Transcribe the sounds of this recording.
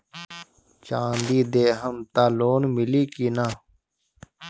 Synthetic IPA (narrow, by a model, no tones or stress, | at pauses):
t͡ʃãːnd̪iːd̪eːɦəmt̪aːloːnmɪliːkiːnaː